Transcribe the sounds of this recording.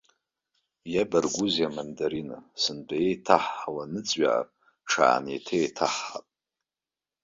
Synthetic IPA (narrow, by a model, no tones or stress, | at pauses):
jabarɡʷuzjamandaɾina̰sɨnbajejtʰaħːawanɨt͡sʼɥa̰a̰rʼ | ʈ͡ʂʰa̰ːnḛtʰetʰaħːapʼ